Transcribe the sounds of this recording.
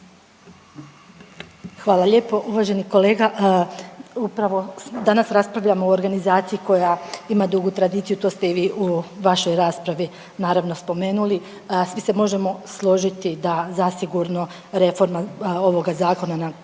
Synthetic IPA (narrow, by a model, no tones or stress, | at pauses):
xʋaːlˠaʎe̞ːpo̞ʔuʋaːʒe̞niko̞le̞ːɡaʔ | upɾaʋo̞d̪anasɾaspɾaʋʎamooɾɡanizaːt̪siiko̞jaimad̪uɡut̪ɾad̪iːt̪sijut̪o̞ːst̪e̞iʋiːʔuʋaʃo̞jɾaːspɾaʋi | naːɾaʋno̞spo̞me̞ːnuli | sʋise̞mo̞ʒe̞mo̞slˠo̞ʒit̪id̪azasiɡuɾno̞ | ɾe̞fo̞ɾmao̞ʋo̞ɡazaːko̞nana